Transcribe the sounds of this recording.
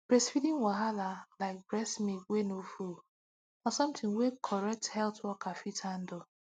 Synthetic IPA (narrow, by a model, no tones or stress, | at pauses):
b̥ɾɛsfidĩŋwaɦalalaɪk̚bɾɛsmiwenoful | ɔsɔ̃mtʰɪ̃ŋwekʰɔɾɛk̚thɛltwɔkafitʰan̩dɔ